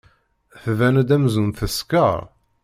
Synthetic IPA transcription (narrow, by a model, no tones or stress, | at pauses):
θvænæd̪æmzunθəskəɾˤ